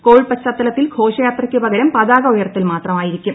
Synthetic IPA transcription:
koːɻɭpɐt͡ɕːɐt̪ːɐlɐt̪ːilɡʰʱo̞ːʂɐjaːt̪rɐkʲːupɐɣɐɾɐmpɐðaːɣɐojɐrt̪ːilmaːt̪rɐmaːjiɾikʲːum

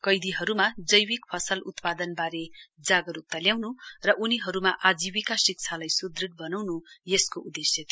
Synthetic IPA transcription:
kʌjd̪iɦʌɾumad͡zʌjwikpʰʌsʌlʔut̪pad̪ʌnbaɾed͡zaɡʌɾup̚t̪aljawnurʌʔuniɦʌɾumaʔad͡zibikasik̚t͡sʰalajsud̪riʈ̪̚bʌnawnujeskoʔud̪esjʌt̪i

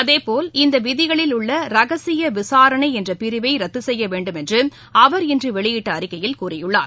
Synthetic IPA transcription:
ɐðeːpoːlɪnd̪ɐʋɪðɪɣɐɭɪlʊɭːɐɾɐɣɐsɪjɐʋɪsaːɾɐɳɐɪɛndrɐpɪɾɯʋɐɪɾɐt̪ːɯsɛjːɐʋeːɳɖɯmɛndrɯm | ɐʋɐɾɪndrɯʋɛɭɪjɪʈːɐɐɾɪkːɐjɪlkuːrɪjɯɭːa̰ːɾ

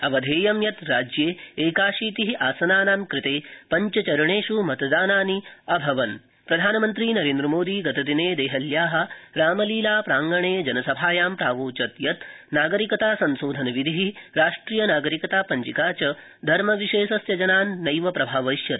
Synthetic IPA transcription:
ɐʋɐd̪ʱeːjɐmjɐt̪ɾaːd͡ʒjeːeːkaːʃiːt̪iɦiʔaːsɐnaːnaːmkɾɪt̪eːpɐɲt͡ʃɐt͡ʃɐɾɐɳeːʃumɐt̪d̪aːnaːniɐbʱɐʋɐn | pɾɐd̪ʱaːnɐmɐnt̪ɾiːnɐɾeːnd̪ɾɐmoːd̪iːɡɐt̪ɐd̪ineːd̪eːɦɐljaːɦɐ̆ɾaːmɐliːlaːpɾaːŋɡɐɳeːd͡ʒɐnɐsɐbʱaːjaːmpɾaːʋoːt͡ʃɐt̪jɐt̪ | naːɡɐɾikɐt̪aːsɐnʃoːd̪ʱɐnɐʋid̪ʱiɦiɾaːʂʈɾiːjɐnaːɡɐɾikɐt̪aːpɐɲt͡ʃikaːt͡ʃɐ | d̪ʱɐɾmɐʋiʃeːʃɐsjɐd͡ʒɐnaːnːɐjʋɐpɾɐbʱaːʋɐjʃjɐɾ

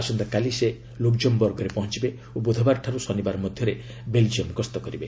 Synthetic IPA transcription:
asɔnd̪ɔkalise | lokd͡ʒɔmbɔɾɡɔɾepɔɦɔ̃nt͡ʃibe | obud̪ʱɔbaɾʈʰaɾusɔnibaɾɔmɔd̪ʱjɔɾe | beld͡ʒiɔmɡɔst̪ɔkɔɾibe

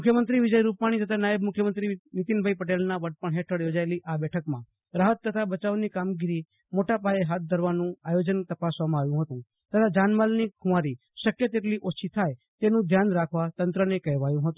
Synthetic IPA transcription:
mʊkʰjəmənt̪ɾiʋɪd͡ʒəjɾupaɽ̃it̪ət̪ʰanajəbmʊkʰjəmənt̪ɾinit̪inbʱaipəʈelnaʋəʈ̚pəɳɦeʈʰəɽjod͡ʒaeliʔabɛʈʰəkmã | ɾaɦət̪ːət̪ʰabət͡ʃaʋnikamɡiɾi | moʈapaeɦat̪̚d̪ʱəɾʋanũajod͡ʒənt̪əpasʋamãaʋjũɦət̪ũ | t̪ət̪ʰad͡ʒanmalnikʰũʋaɾi | ʃəkjət̪eʈliʔot͡ʃʰit̪ʰaj | t̪enũd̪ʱjanɾakʰʋat̪ənt̪ɾənekɛɦʋajũɦət̪ũ

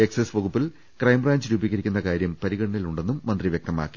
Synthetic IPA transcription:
eksesʋɐɣupːil | krɐjmbraːɲd͡ʑɨɾuːbiɣɐɾikʲːunːɐkaːɾjɐmpɐɾiɣɐɽɐɳiluɳɖe̞nːumːɐnd̪riʋjek̚t̪ɐma̰ːkːi̥

